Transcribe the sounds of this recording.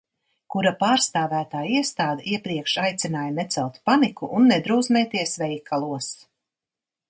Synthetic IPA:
kuɾapaːɾst̪aːvæːt̪aːiɛst̪aːd̪ɛʔiɛpɾiɛkʃajt̪sʲinaːjnɛt̪sɛlˠt̪panikuʔunːɛd̪ɾuːsmɛjt̪iɛsvɛjkʰːalˠuɔs

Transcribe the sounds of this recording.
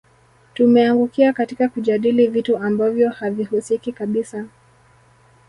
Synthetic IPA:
tumɛaŋɡukiakatikakuʄaɗilivituambavjɔhavihusikikaɓisa

